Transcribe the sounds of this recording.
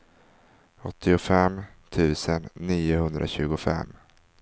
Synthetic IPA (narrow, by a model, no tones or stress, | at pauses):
ɔt̪ʰːɪʊfɛm | t̪ʰʉ̟ːsənːiːʊhɵnd̪ɾʔa̰ɕʉ̟ːɡʊfɛ̰mː